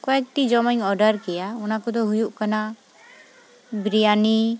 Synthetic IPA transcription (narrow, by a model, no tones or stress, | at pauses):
kɔɛk̚ʈid͡ʒɔmaŋɔɖaɾkɛjaunakɔd̪ɔɦujuʔkana | bɾijani